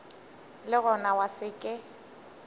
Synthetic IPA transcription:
lɪɣʊnawasɪkʼɪ

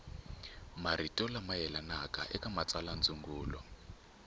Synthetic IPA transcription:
maritʼɔlamajɛlanakʼa̰ʔɛkʼamat͡saland͡zʼuŋɡuːlɔ̰

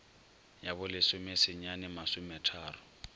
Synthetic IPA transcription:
jabʊlɪsʊmɪsɪɲanɪmasʊmɛtʰaːrʊ

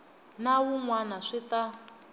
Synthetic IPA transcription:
nawuŋwanaʂita

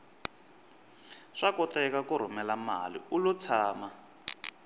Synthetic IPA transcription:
ʂakɔtɛkakuɾ̤umɛlamalḭulut͡sʰaːma

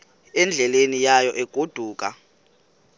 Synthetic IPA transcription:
ɛnd͡ɮʱɛlenijajɔʔɛɡ̥ʱod̥ʱuːk̬ʼa̰

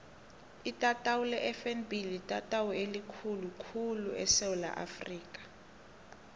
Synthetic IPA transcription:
itʼatʼawulɛʔɛfɛnbilitʼatʼawuelikʰulukʰuluʔɛ̰sɛwula̰ʔa̰friːk̬ʼḁ

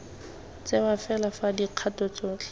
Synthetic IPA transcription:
t͡sebafɛlafadiq͡χʰatɔt͡sɔt͡ɬ

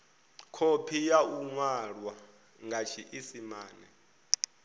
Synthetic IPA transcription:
kʰopʰijauŋwaɺwa | ŋɡʱat͡ʃʰiʔisimaːnɛ̰

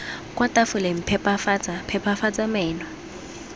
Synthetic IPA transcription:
kʼwatafʊlem̩pʰɛpʼafat͡sapʰɛpʰafat͡sʼamɛːnɔ

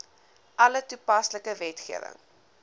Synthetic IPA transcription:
ʔɐlətupɐsləkəvɛtχiəvə̰ŋ

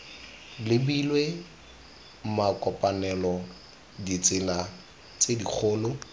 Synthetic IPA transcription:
lɪbilwe | makʼɔpʼanɛlɔ | dit͡sʼɪla | t͡sʼedik͡xʰʊːlʊ

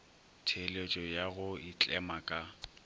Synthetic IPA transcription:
tʰelet͡ʃʼɔjaɣʊit͡ɬʼɛmakʼa

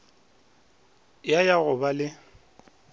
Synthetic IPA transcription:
jajaɣʊbalɪ

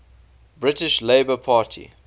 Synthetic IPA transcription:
bɹɪtɪʃleɪbəpʰɑːtʰḭ

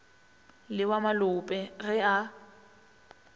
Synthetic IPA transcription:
lɪwamalʊpʼɛɣɛa

